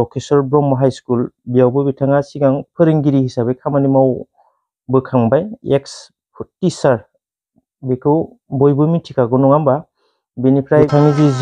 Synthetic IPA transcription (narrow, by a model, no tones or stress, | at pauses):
ɔkʰesɔɾbɾɔmɔɦajskulbijawbɯbitʰaŋasiɡaŋpʰɯɾiŋɡiɾihisabɯjkʰamanimaw | bɯkʰaŋbajeks | pʰutːisaɾ | bikʰɯw | bɔjbɯmitʰikʰaɡɔnɔŋamba | binipʰɾajtʰaŋiziz